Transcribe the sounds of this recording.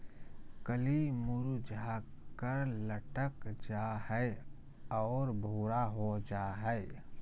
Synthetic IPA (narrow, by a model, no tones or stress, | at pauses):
kəlimʊɾd͡ʒʱaːkəɾləʈəkd͡ʒaːhɛ | ɔːɾbʱuːɾaɦod͡ʒaːɦɛ